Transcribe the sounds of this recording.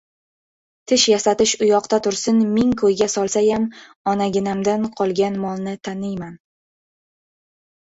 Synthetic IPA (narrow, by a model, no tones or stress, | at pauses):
t̪ʰɪʃjasat̪ɪʃʊjɒqt̪at̪ʰʊɾsɪnmɪŋkʰɵjɡʲasɒlˠsajam | ɒnaɡʲɪnamd̪anqʰɒlˠɡʲanmɒlˠnɪt̪ʰanɪjman